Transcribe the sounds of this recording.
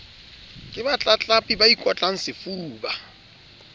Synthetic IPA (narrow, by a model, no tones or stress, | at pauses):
kʼɪbat͡ɬʼat͡ɬʼapʼibaikʼwat͡ɬʼaŋ̩sɪfuːba